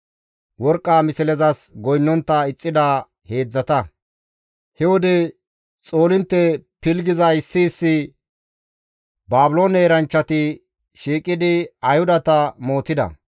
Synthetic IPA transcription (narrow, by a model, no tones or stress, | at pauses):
wɔɾkʼːaːmɪsɪlɛzɐsɡɔjnːɔnt̪ːɐɪt͡sʼːɪd̪aː | he̞ːd͡zːɐt̪ɐ | hɛwɔd̪ɛ | t͡sʼo̞ːlɪnt̪ːɛpɪlɡɪzɐɪsːɪːsːɪ | baːbʊlo̞ːneːɾɐnt͡ʃːɐt̪ɪ | ʃiːkʼːɪd̪ɪɐjhʊd̪ɐt̪ɐmo̞ːt̪ɪd̪ɐ̰